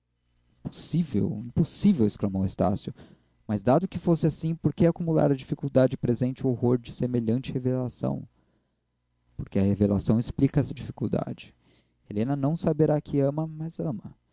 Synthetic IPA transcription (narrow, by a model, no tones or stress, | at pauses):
po̥sivḛwĩposivewesklamowest̪a̰sjʊ | mɐzd̪ad̪ʊkɪfosɪasĩpoɾkeakumula̰ɾɐd͡ʒifikuwd̪ad͡ʒɪpɾezẽnt͡ʃɪʊohoɾd͡ʒɪsemeʎɐ̃nt͡ʃɪhevelasɐ̰̃w̃ | poɾkeɐhevela̰sɐ̃w̃ɪsplikɐɛsɐd͡ʒifi̥kuwd̪a̰d͡ʒɪ̥ | elẽnɐnɐ̃w̃sabeɾakʰɪɐ̃mɐmɐzɐ̃mɐ